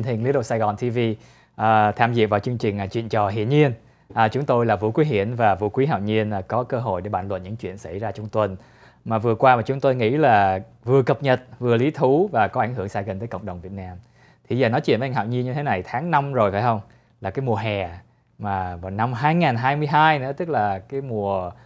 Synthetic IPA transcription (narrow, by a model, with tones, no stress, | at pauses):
nt̪ʰi˨˩ŋli˨˦nɗo˨˩saː˧jɣɔ˨˩nt̪ʰi˧vi˧ | ʔəː˨˩t̪ʰaː˧˩mzḭ˧˨əvaː˨˩wt͡ɕɨ˧əŋt͡ɕï˨˩ŋ̟˨˩t͡ɕwḭ˧˨ənt͡ɕɔ˨˩ɦḭ˧˨ənɲi˧ən | ʔə˨˩t͡ɕʊ˨˦ŋ͡mt̪o˧jlaː˨˩vṵ˧˨kwi˨˦ɦḭ˧˨ənvaː˨˩vṵ˧˥kwi˨˦ɦa̰ː˧˨wɲi˧ən˨˩kɔ˨˦kəː˧ɦo̰˧˨jɗe˧˩ɓa̰ː˧˩nlə̰˧˨nɲɨ̰˧˥ŋt͡ɕwḭ˧˨ənsa˧˩jzaː˧t͡ɕɔ˧wŋ͡mt̪wə˨˩n | maː˨˩vɨ˨˩əkwaː˧maː˨˩t͡ɕʊ˨˦ŋ͡mt̪o˧jŋḭ˧˥laː˨˩ | vɨ˨˩əkə˨˩p̚ɲə˨˩t̚vɨ˨˩əli˨˦t̪ʰu˨˦vaː˨˩kɔ˨˦ʔa˧˩ŋ̟hɨ˧˩əŋsaː˧jɣḭ˨˩n̟t̪əː˨˦kŋ͡mɗə˨˩wŋ͡mvi˨˩ət̚naː˧m | t̪ʰi˨˩zəː˨˩nɔ˨˦t͡ɕwḭ˧˨nvŋ̟ɦa̰ː˧˨wɲi˧nɲɨ˧t̪ʰe˨˦na˨˩jt̪ʰaː˨˦ŋna˧mzo˨˩jfaː˧˩jhə˧wŋ͡m | laː˨˩kaː˨˦jmu˨˩əɦɛ˨˩ | maː˨˩vaː˨˩wna˧mɦaː˧jŋaː˨˩nɦaː˧jmɨ˧əjɦaː˧jnɨ̰˧˥ət̪ɨ˦˥k̚laː˨˩kaː˨˦jmu˨˩ə